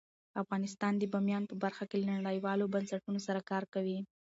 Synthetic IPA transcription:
afɣɑnɪs̬t̪ɑnd̪əbɑmjɑnpəbaɾxakelanaɽəjwɑlobansaʈunosaɾakɑɾkawi

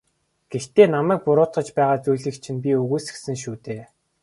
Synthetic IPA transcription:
ɡ̥ext̪eːnamæːk̚pʊɾʊːt̪χə̆t͡ɕpæːʁaːt͡sujɮɘ̆kt͡ɕʰĭnpʲiɵɣuːsɘ̆ksɘ̆ŋʃ̬uːt̪eː

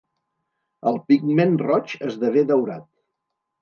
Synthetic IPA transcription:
əlˠpiɡmenrɔt͡ʃəzðəβeðəwɾa̰t̪

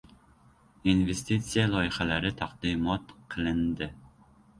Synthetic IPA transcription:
invest̪it̪sijɛlˠɒjəχælæɾɪt̪ʰæqd̪imɔt̪qʰəlˠɪnd̪ɪ

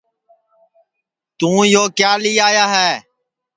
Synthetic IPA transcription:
t̪ũːjoːkjaːliːaːjaːɦɛː

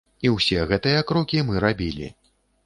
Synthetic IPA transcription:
iwsʲɛɣɛt̪ɨjɐkɾɔkʲimɨɾabʲilʲḭ

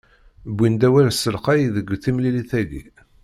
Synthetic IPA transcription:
bʷːind̪æwælsːəlqæjðəɡʷːθimliliθæɡḭ

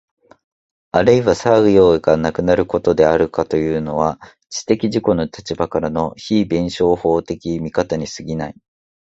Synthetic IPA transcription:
aɾɯ̟iβasaɯ̟jo̞ːeɡanakɯ̟naɾɯ̟ko̞t̪o̞d̪e̞aɾɯ̟kat̪o̞jɯ̟ːno̞βa | t͡ɕi̥t̪e̞kʲiʑiko̞no̞t̪ʰat͡ɕibakaɾano̞çiːbẽ̞ɰ̃ɕo̞ːho̞ːt̪e̞kʲimʲikat̪aɲ̟isɨɡʲinai

